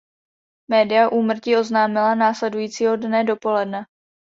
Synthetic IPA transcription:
mɛːdɪjaʔuːmr̩cio̞znaːmɪlanaːslɛdujiːt͡siːɦo̞dnɛdo̞po̞lɛdnɛ

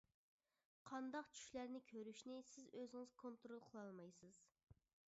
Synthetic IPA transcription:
qʰɑnd̪ɑqt͡ʃʰy̥ʃlæɾnɪkʲʰøɾyʃnɪsɪzøzɪŋɨzkʰont̪ɾolˠqʰəlˠɑlˠmɑjsɨz̥

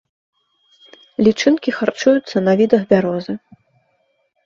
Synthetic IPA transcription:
lʲit͡ʂɨnkʲixart͡ʂujut̪sːɐnɐvʲid̪ɐxbʲaɾɔzɨ

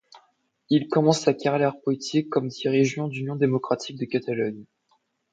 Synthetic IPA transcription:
ilkɔmɑ̃sakʲaʁelɛʁpɔet̪ʰikːɔmd̪iʁiʒjɑ̃d̪ynjɔ̃d̪emɔkχat̪ʰik̚d̪əkat̪alɔɲ

